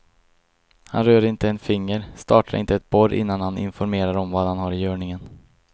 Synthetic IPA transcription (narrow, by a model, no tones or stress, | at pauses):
ha̰nɾøːɾɪnt̪əɛnfɪŋːəɾst̪ɑːʈʰaɾɪ̰nt̪əɛt̪̚bɔɾʔɪ̰nːanhanɪ̰nfɔɾmeːɾaɾɔmvad̪hanhaɾɪjœːɳɪŋən